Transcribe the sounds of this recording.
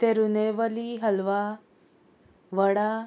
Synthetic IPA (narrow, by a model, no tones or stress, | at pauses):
t̪eɾuneʋəliɦəlʋa | ʋəɽa